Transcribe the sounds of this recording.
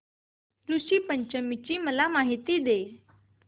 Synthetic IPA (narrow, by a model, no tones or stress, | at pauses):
luɕiːpəɲt͡ɕəmit͡ɕiːməlamaɦit̪iːd̪e